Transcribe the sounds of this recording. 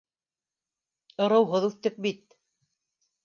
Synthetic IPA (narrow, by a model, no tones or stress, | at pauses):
ɤ̆ɾɤ̆wɦɤðʉθt̪ɘk̚bit̪̚